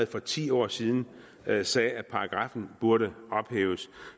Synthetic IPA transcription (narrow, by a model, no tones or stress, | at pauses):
ð̩ˠfɒ̽t͡sʰḭːɒ̰ːsiːð̞ˠn̩ | sɛːæ̥pʰɑ̈ɑ̈ɡ̥ʁɑ̈fn̩b̥uɐɾəɒ̽b̥hḛːʊs